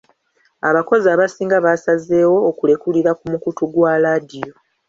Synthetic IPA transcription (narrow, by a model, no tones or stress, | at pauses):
a̰βako̞ziaβasiːŋɡaβasaze̞ːwo̞ːkule̞kuliɾakumukutuɡwaladijo̞